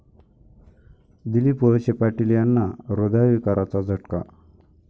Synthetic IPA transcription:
d̪ilipoɕepaʈiljanːaɾod̪ʱaʋikaɾat͡sad͡zʱəʈka̰

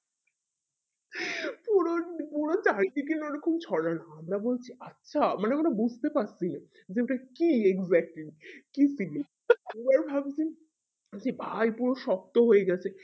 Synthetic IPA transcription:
puɾopuɾot͡ɕaɾiʈikineɾɔkomt͡ɕʰɔɽanaamɾabolt͡ɕʰiatːɕʰamaneakoʈabud͡ʑʱt̪epaʈt͡ɕʰina | d͡ʑeoʈakieɡzɛk̚ʈlikisili | ɛbaɾbʱabt͡ɕʰi | d͡ʑibʱajpuɾoʃɔk̚t̪oɦoeɡɛt͡ɕʰe

